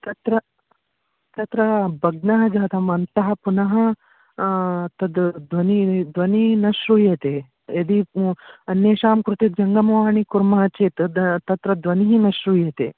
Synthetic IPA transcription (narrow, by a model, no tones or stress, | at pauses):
t̪ɐt̪ɾɐ | t̪ɐt̪ɾɐbʱɐɡnɐɦɐd͡ʒaːt̪ʰɐmɐnt̪ɐɦɐpunɐɦɐ | t̪ɐd̪d̪ʋɐnid̪ʋɐninɐʃɾuːjet̪e | ed̪iɐnːjeːʃaːmkɾut̪ed͡ʒɐŋɡɐmɐʋaːɳikuɾmɐɦɐt͡ʃeːt̪t̪ɐt̪ɾɐd̪ʋɐniɦinɐʃɾuːjɐt̪eː